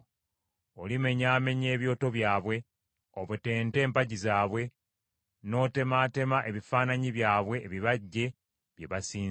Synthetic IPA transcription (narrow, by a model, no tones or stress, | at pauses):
olime̞ɲaːme̞ɲe̞ːβjo̞ːto̞βjaːβwe̞ | oβute̞ːnte̞ːmpaɟizaːβwe̞ | no̞ːte̞maːte̞maʔe̞βifaːnaɲiβjaːβwe̞ːβiβaɟːe̞ | βjeβasiː